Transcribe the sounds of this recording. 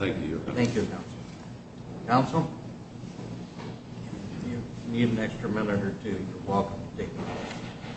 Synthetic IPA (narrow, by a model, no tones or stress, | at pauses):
θæ̃ŋkjʉ̰θæ̃ŋkjɨkʰãʊ̃nsl̩ˠ | kʰãʊ̃nsl̩ˠ | jɨniɾɨ̃n̩ɛkstɹ̥ɨmɛ̃nɨɾə˞tʰʉjəwɛlˠkə̃mdeɪtas